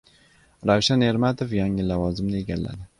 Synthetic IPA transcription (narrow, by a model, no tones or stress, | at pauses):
ɾawʃane̞ɾmat̪ʰofjaŋɪlavɒzɪmnɪe̞ɡʲalːa̰d̪ɪ